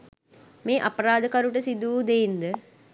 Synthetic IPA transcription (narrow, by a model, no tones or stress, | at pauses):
meːʔɐpəɾaːd̪əkaɾuʈəsid̪uːd̪eind̪ə